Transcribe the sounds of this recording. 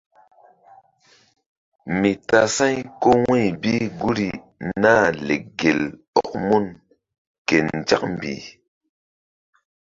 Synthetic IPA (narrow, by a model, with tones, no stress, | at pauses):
mi˨ta˨sa˦jko˦we˦˨bi˦ɡu˦ɾi˨ | na˦˨le˨ɡe˨l | ɔ˨k̚mu˦n | ke˨n˨d͡ʒa̰˦k̚m˨bḭ˨